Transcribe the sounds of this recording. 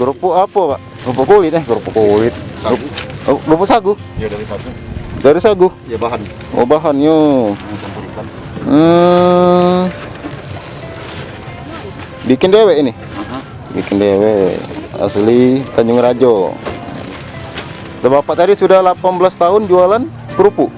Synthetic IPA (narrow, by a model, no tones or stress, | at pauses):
ɡɾupuapapaʔ | ɡɾupukolɪt̪̚ɛɡɾupukolɪt̪̚ | ɡɾupusaɡʊh | daɾisaɡʊh | o̰baɦanjo | bikɪndewɛʔinɪ | bikɪndewɛa̰slit̪aɲd͡ʒʊŋɾad͡ʒo | t̪əbapaʔt̪adisudahlapanblast̪aʊnd͡ʒualan | kəɾupu